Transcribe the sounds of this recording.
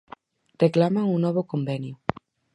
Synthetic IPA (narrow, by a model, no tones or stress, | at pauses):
reklamaŋunnːɔβokombɛnju